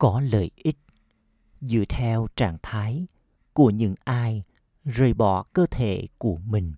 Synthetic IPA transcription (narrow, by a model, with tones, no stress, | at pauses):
kɔ˨˦lə̰ː˧˨˩jʔi˦˥t̚ | zɨ̰˧˨ət̪ʰɛ˧wt͡ɕaː˧˩ŋt̪ʰaː˨˦j | ku˧˩əɲɨ̰˧˥ŋʔaː˧j | zəː˨˩jɓɔ̰˧˨kəː˧t̪ʰḛ˧˨ku˧˩əmï˨˩ŋ̟